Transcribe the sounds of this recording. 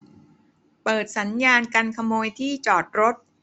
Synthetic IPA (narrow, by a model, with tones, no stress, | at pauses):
pɤː˨˩t̪̚sa˩˦njaː˧nka˧nkʰa˧moː˧jt̪ʰiː˥˩t͡ɕɔː˨˩t̪̚ɾo˦˥t̪̚